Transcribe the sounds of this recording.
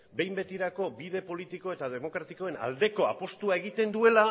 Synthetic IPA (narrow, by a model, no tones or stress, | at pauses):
be̞jmbe̞t̪iɾako̞biðe̞po̞lit̪iko̞e̞t̪aðe̞mo̞kɾat̪iko̞e̞na̰ld̪e̞ko̞a̰po̞st̪uae̞ɣ̞it̪e̞nd̪ue̞la